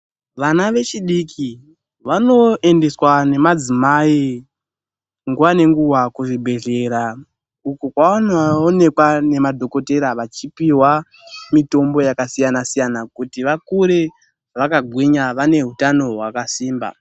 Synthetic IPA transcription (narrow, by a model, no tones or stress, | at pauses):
ʋanaʋe̞t͡ʃiɗikʰi | ʋano̞ʔe̞nde̞swane̞mad͡zimai | ŋɡuwane̞ŋɡuwakuʐibʱe̞ɮe̞ɾa | ukokwaonaone̞kwane̞madʱo̞ko̞te̞ɾaʋat͡ʃipiwa | mito̞mbo̞jakasijanasijanakutiʋakuɾe | ʋakaɡʱwiɲaʋane̞ɦutano̞ɦwakasiːmba̰